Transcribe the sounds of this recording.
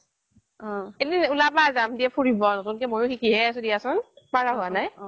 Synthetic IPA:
elinulabazamdiɛpʰoɹibɔnɔtʊnkɛmojʊkikiɦɛsʊdiasɔnpaɹaɦʊanaj

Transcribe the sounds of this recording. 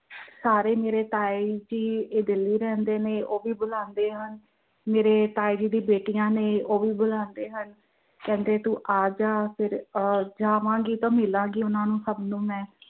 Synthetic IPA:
saːɾeːmeːɾeːt̪aːid͡ʒiːeːd̪ɪlːiːɾɛ̃ːnd̪eːneːʔoːʋiːbʊlãːnd̪eːɦən | meːɾeːʈ̪aːiːd͡ʒiːd̪ĩːbeːʈijãːneːoːʋiːbʊlãːnd̪eːɦən | kɛ̃ːnd̪eːt̪ũːʔaːd͡ʒaːpʰɪɾd͡ʒaːʋãːɡiːt̪ãːmɪlãːɡiːʊnãːnũːsəbnũːmɛ̃ː

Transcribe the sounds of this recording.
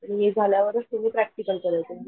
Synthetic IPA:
ñiɦed͡zʱaljaʋəɾəst̪umiːpɾæk̚ʈikəlkəɾəʋt̪e

